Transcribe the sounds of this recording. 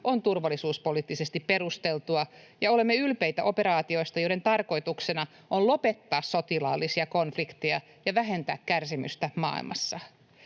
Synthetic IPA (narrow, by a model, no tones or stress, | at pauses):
ʔont̪urʋɑlːˑisuːspoliːt̪ːisest̪ippe̞ɾust̪elt̪uɑ | jɑo̞le̞mːeylpejt̪æʔo̞pe̞ɾɑːt̪io̞ist̪ɑjo̞iɾent̪ɑrko̞it̪uksenɑ | ʔonlo̞pet̪ːɑːssot̪ilɑ̰ːlːisiɑko̞nflikt̪ejɑ | jɑʋæɦe̞nt̪æ̰ːkkærsimy̰st̪æmɑ̰ːḭlmʔɑ̰sːɑ